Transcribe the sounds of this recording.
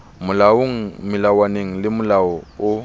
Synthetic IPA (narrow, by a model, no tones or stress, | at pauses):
mʊlaŋ̩mɪlawaneŋ̩lɪmʊlaɔʊ